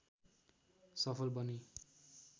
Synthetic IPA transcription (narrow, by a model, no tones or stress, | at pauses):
sʌpʰʌlbʌni